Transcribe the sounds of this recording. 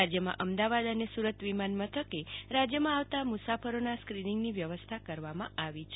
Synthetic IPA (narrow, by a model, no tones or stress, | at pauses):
ad͡ʒjəmã̰ʔəmd̪aʋad̪ənesuɾət̪ʋimanmət̪ʰəkeɾad͡ʒjəmãaʋt̪amusafəɾonaskɾiniŋɡniʋjəʋəst̪ʰakəɾʋamãʔaʋit͡ʃʰ